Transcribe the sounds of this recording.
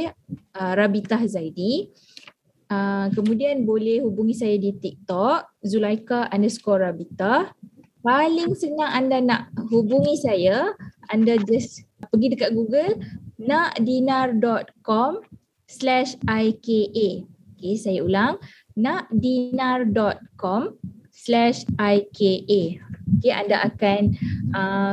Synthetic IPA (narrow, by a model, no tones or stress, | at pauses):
əɾabit̪ahzajdi | əkəmũdianbolɛhhubuŋisajadit̪ik̚t̪ɔʔ̚zulajkaʔandaskɔrabit̪ah | palɪŋsənaŋandanaʔɦubuŋisajaandad͡ʒaspəɡidəkaʔ̚ɡuɡəlnaʔdinardɔt̪̚kɔm | slɛʃajkeʔeokesajaulaŋ | naʔdinardɔt̪̚kɔmslɛʃajkeʔeokeʔa̰ndaʔakanə